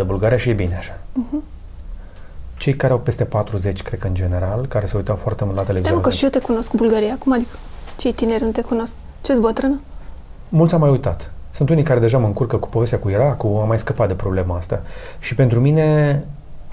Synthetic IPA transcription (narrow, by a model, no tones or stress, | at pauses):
d̪ebulɡaɾijaʃijebineaʃḁh̩ | t͡ʃe̞jkaɾeawpe̞st̪e̞pat̪ɾuze̞t͡ʃʲkɾe̞d̪̚kəɨnd͡ʒe̞ne̞ɾalkaɾe̞seujt̪awfoart̪emult̪lat̪elevit̪emkəʃijet̪ekuno̞skbulɡaɾijakumad̪ikə̥t͡ʃejt̪ineɾʲnut̪e̞kuno̞sk̚ | t͡ʃesbət̪ɾɨnə | mult̪sʲamːajujt̪at̪sunt̪unikaɾe̞d̪e̞ʒaməɨŋkurkəku̥povest̪ʲakuiɾakuamːajskəpat̪̚d̪e̞pɾo̞ble̞maast̪a̰ʃipent̪ɾumine̞